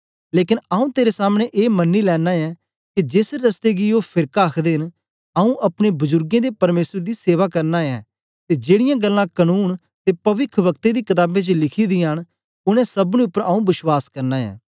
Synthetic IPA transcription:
leːkɪnaːũːt̪eːɾesaːmneʔeːmənːiːlɛːnaːjɛː | kid͡ʒɪsɾəst̪eːɡioːpʰɪɾkaːəkʰd̪eːɦɪn | aːũːʔɐpneːbʊzʊɾɡẽːd̪eːpɐɾmeːsɾd̪iːseːʋaːkəɾnaːɛː | t̪eːd͡ʒeːɽɪjãːɡəlːãkənuːn | t̪eːpɐʋɪkʰʋək̚t̪eːd̪iːkɪt̪aːbẽt͡ʃəlɪkʰiːd̪iːɦən | ʊnɛ̃ːsəbnũːʊpːəɾaːũːbɪswaːskəɾnaːɛ̰ː

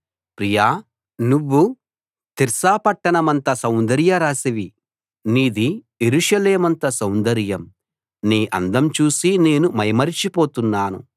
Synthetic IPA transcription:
pɾijaː | nuʋːu | t̪iɾsaːpɐʈːɐɳɐmɐnt̪ɐsɐwnd̪ɐɾjɐɾaːsiʋi | niːd̪ijeɾuʃɐleːmɐnt̪ɐsɐwnd̪ɐɾjɐm | niːʔɐnd̪ɐmt͡ʃuːsine̞ːnumɐjmɐɾit͡ʃipoːt̪unːaːnṵ

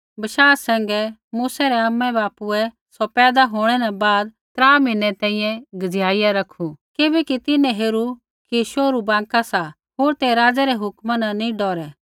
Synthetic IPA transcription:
bɐʃaːsɛ̃ːŋɡɛmuːsɛɾɛamːɛbaːpuɛ | sɔpɛːd̪aɦoːɽ̃ɛnɛbaːd̪̚ | t̪ɾaːmɪ̃nɛt̪ɛ̃ːĩjɛ̃ɡɐd͡zjaːɪjaɾɐkʰːukɪbɛkit̪ɪnɛ̃ɦeːɾu | kiʃoːɾubãːŋkasa | ɦoːɾt̪ɛɾaːd͡zɛɾɛɦʊkmananĩɖɔːɾɛ

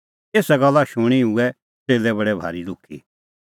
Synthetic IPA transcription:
eːsaɡɐlːaʃʊɽ̃iuɛ | teːlɛbɐɽɛbʱa̰ːɾilʊkʰːḭ

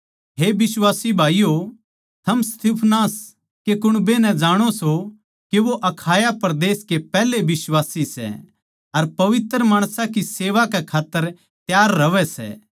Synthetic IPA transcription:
ɦebɪswaːsibʱaːijo | t̪ʰɐmst̪ipʰnaːs | kekʊɽ̃benɛ̃d͡ʒaːɽ̃oso | keʋoʔɐkʰaːjapɐɾd̪eːskepɛːlebɪswaːsisɛ̰ | ɐɾpɐʋɪt̪ɾəmaːɽ̃sãkiseːʋakɛkʰaːt̪ːəɾ | t̪jaːɾːɐʋɛsɛ̰ː

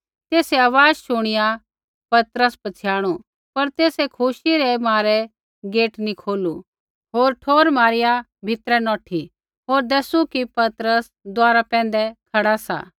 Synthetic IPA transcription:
t̪eːseaːʋaːd͡ʒʃʊɽ̃ɪja | pɐt̪ɾəspɐt͡sʰjaːɽ̃u | pɐɾt̪eːsekʰʊʃiɾɛmaːɾɛ | ɡeːʈnikʰoːlu | ɦoːɾʈʰoːɾmaːɾɪja | bʱɪt̪ɾɛnɔːʈʰi | ɦoːɾd̪ɐsukipɐt̪ɾəs | d̪ʊaːɾapɛ̃ːnd̪ɛkʰɐɽasa̰ː

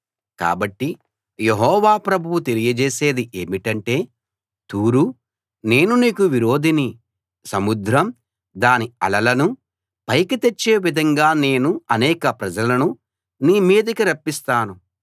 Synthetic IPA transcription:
ka̰ːbɐʈːi | jeɦɔːʋaːpɾɐbʱuwut̪e̞lijɐd͡ʒeːse̞ːd̪iʔeːmiʈɐɳʈe̞ː | t̪uːɾu | ne̞ːnuniːkuʋiɾo̞ːd̪ʱini | sɐmud̪ɾɐm | d̪aːniɐ̰lɐlɐnu | pɐjkit̪et͡ʃːe̞ːʋid̪ʱɐŋɡaːne̞ːnuɐnɛːkɐpɾɐd͡ʒɐlɐnu | niːmiːd̪ɐkiɾɐpːist̪aːnu

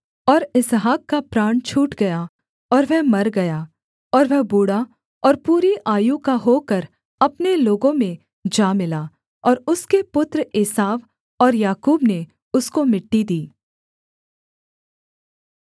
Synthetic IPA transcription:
ɔːɾɪsɦaːkːapɾaːɳt͡ʃʰuːʈɡɐja | ɔːɾʋɛɦmɐɾɡɐjaː | ɔːɾʋɛɦbuːɽa | ɔːɾpuːɾiʔaːjukaɦoːkəɾ | ɐpneloːɡõmẽ | d͡ʒaːmɪlaː | ɔːɾʊskepʊt̪ɾɪːsaːʋ | ɔːɾjaːkuːbne | ʊskomɪʈːid̪iː

